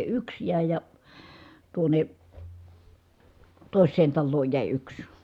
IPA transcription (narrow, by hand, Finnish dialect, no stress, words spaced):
yks jæˑi̯ jɑ tuone toˑi̯sˑeːn tɑlːoːj jæˑi yks